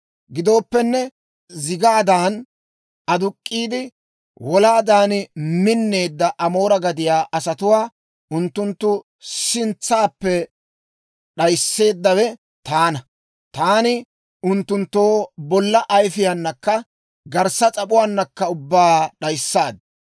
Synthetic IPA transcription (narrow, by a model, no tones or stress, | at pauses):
ɡɪd̪o̞ːpːɛnːɛ | zɪɡaːd̪aːn | ɐd̪ʊkʼːiːd̪ɪ | wɔlaːd̪aːnmɪnːe̞ːd̪ːɐʔɐmo̞ːɾɐɡɐd̪ɪjaːʔɐsɐt̪ʊwaː | ʔʊnt̪ːʊnt̪ːʊ | sɪnt͡sːaːpːɛ | ɗɐjsːe̞ːd̪ːɐwɛ | t̪aːnɐ | t̪aːnɪ | ʊnt̪ːʊnt̪ːo̞ːbɔlːɐʔɐjfɪjɐnːɐkːɐ | ɡɐɾsɐt͡sʼɐpʊwaːnːɐkːɐʊbːaːɗɐjsːaːd̪ɐ